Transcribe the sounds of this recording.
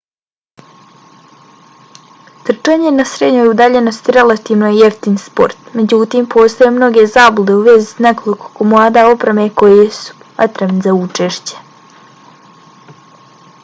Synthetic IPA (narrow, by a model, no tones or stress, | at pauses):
t̪r̩t͡ʃeɲenasɾed̪ɲo̞jud̪aʎe̞no̞st̪iɾe̞lˠat̪iːʋnojieft̪inspo̞̰ɾt̪me̞d͡ʑut̪iːmpʰo̞ːst̪ajemno̞ɡe̞zaːbud̪e̞uʋe̞zi̥sne̞ko̞liko̥komlˠaːd̪ao̞pɾemekojesu̥ | at̪ɾemnizaut͡ʃeʃt͡ɕe̥